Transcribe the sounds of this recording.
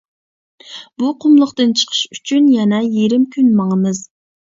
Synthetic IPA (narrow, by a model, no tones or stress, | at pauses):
buqʰʊmlˠʊqt̪ɨnt͡ʃʰə̥qʰə̥ʃyt͡ʃʰynjɛnɛjeɾɪmkʲʰynmɑŋəmɨz